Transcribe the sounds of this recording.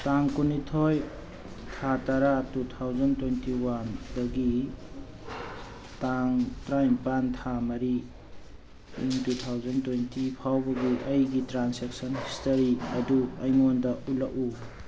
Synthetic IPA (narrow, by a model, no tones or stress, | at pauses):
taŋkunitʰoj | tʰataɾatutʰawd͡ʒɐntwejntiwandɐɡi | taŋtɾajmpantʰamɐɾi | iŋtutʰawzɐntwejntipʰawbɐɡiʔɐjɡitɾansek̚sɔnhistɐɾiɐduɐjŋondɐʔulɐku